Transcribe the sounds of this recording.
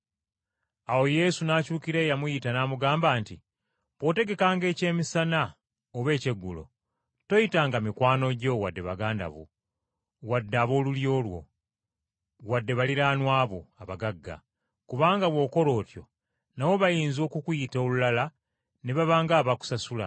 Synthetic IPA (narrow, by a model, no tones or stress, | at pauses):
awo̞je̞sunaːcuːkiɾe̞ːjamujitanaːmuɡaːmbaːnti | βo̞te̞ɡe̞kaːŋɡe̞ːce̞ːmisana | oβe̞ːce̞ɡːulo̞̰ | to̞jitaːŋɡamikwaːno̞ɟo̞wadːe̞βaɡaːnda̰βṵ | wadːaːβo̞ːluljo̞ːlwo̞̰ | wadːe̞βaliɾaːnwaːβoaβaɡaɡːa̰ | kuβaːŋɡaβwo̞ːko̞lo̞ːtjo̞̰ | nawo̞βajiːnzo̞ːkukujitolulala | neβaβaːŋɡaːβaku̥sasula̰